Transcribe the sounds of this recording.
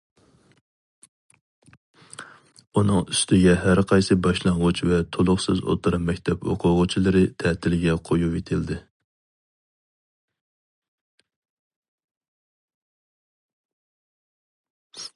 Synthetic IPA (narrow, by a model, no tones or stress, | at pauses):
unɨŋyst̪ʰɪɡʲɛɦæɾqʰɑjsɨbɑʃlˠɑɴʁʊt͡ʃvɛt̪ʰolˠʊχsɨzo̰t̪ʰɨɾɑmːɛkʲt̪ʰɛpo̰qʰʊʁʊt͡ʃʰilˠɨɾɨt̪ʰɛt̪ʰɪlɡʲɛqʰojuet̪ʰɪld̪ɪ